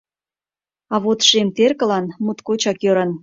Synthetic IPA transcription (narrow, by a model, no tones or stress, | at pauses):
ɑβot̪ʃemt̪erkə̆lɑnmut̪kot͡ɕɑkjøɾən